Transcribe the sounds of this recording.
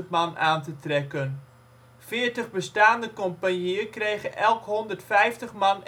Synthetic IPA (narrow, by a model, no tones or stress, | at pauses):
tmɑnaːntətrɛkən | fɪəɹtəχbəstaːndəkɔmpanjiəkrejχənʔɛlˠkɦɔndərtfɛjftəχmɑn